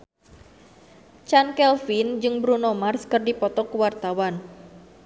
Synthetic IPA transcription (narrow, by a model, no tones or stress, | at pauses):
t͡ʃankɛlfind͡ʒɨŋbɾunomarskɨrdipɔt̪ɔkuwart̪awan